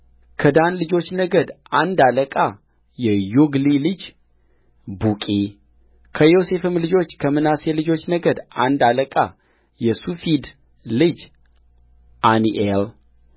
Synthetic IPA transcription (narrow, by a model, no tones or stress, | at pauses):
kʰəd̪anlɨd͡ʒo̞t͡ʃːnəɡəd̪ | and̪aləkʼa | jɛjuɡlilɨd͡ʒ | bukʼi | kʰəjose̞fɨmlɨd͡ʒo̞t͡ʃːkʰəmɨnaselɨd͡ʒo̞t͡ʃːnəɡəd̪a̰nd̪aləkʼa̰ | jɛsufid̪ | lɨd͡ʒ | ʔaniʔel